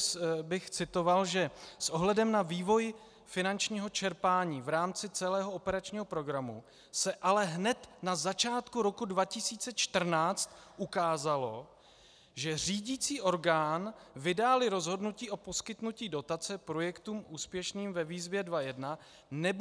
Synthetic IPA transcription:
bɪxt͡sɪt̪o̞valʒɛsʔo̞ɦlɛdɛmnaviːvo̞j | fɪnant͡ʃɲiːɦo̞t͡ʃɛɾpaːɲiːvɾaːmt͡sɪt͡sɛlɛːɦoopɛɾat͡ʃɲiːɦo̞pɾo̞ɡɾamu | sɛʔalɛɦnɛt̪nazat͡ʃaːt̪kuɾo̞kudvacɪsiːt͡sɛt͡ʃt̪r̩naːt͡st̪ʔukaːzalo̞ | ʒɛr̝iːɟiːt͡siːʔo̞ɾɡaːnvɪdaːlɪɾo̞zɦo̞dnuciːʔo̞po̞skɪt̪nuciːdo̞t̪at͡sɛpɾo̞jɛkt̪uːmʔuːspjɛʃniːmvɛviːzvjɛdvajɛdna | nɛb

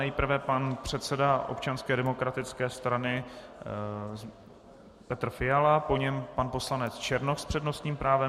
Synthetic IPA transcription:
ɛjpr̩vɛpanpr̝̥ɛt̪sɛdaʔo̰p̚t͡ʃanskɛːdɛmo̞kɾat̪ɪt͡skɛːst̪ɾanɪ | pɛt̪r̩fɪjalapo̞ɲɛmpanpo̞slanɛt͡st͡ʃɛɾnoxspr̥ɛdno̞st̪ɲiːmpɾaːvɛ

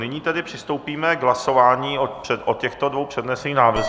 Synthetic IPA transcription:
nɪɲiːt̪ɛdɪpr̝̥ɪst̪o̞wpiːmɛɡɦlaso̞vaːɲiːopɛʔocɛxt̪odvowpr̝̥ɛdnɛsɛniːnaːvr̩z

